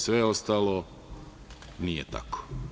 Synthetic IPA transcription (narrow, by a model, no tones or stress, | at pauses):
sʋeost̪alo | nijet̪a̰kʰo̥